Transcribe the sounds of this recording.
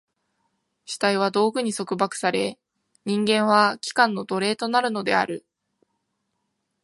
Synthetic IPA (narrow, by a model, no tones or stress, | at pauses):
ɕi̥t̪aiβ̞ad̪o̞ːɡɯ̟ɲ̟iso̞kɯ̟bakɯ̥saɾe̞ | ɲ̟ĩŋɡẽ̞ɰ̃β̞akʲi̥kãnːo̞d̪o̞ɾe̞ːt̪o̞naɾɯ̟no̞d̪e̞̰a̰ɾɯ̟